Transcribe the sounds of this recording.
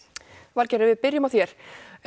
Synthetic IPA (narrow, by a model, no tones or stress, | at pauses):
valcɛɾɪvɪðpɪɾjʏmaθjɛɾ̥